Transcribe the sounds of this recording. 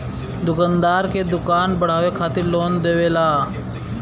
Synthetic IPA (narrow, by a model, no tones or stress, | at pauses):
d̪ʊkand̪aːɾked̪ʊkaːnbəɽ̤aːʋekʰaːt̪ɪɾloːnd̪eːʋeːlaː